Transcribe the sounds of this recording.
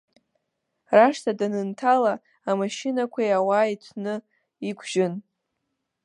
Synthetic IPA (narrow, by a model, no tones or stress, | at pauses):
raʂtʰadanɨntʰalaː | maʃɪnakʷʰajawaːitʷʰnɨ | ikʷʰʒɪn